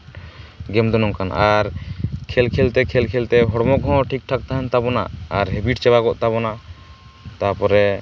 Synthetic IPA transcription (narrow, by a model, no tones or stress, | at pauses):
ɡɛmd̪ɔnɔŋkanaɾkʰɛlkʰɛlt̪ɛkʰɛlkʰɛlt̪ɛɦɔɽmɔɡʱɔ̃ʈʰik̚ʈʰak̚t̪aɦant̪abɔna̰aɾɦebiʈt͡ʃɛbaɡɔʔt̪aβɔna | t̪aɾpɔɾɛ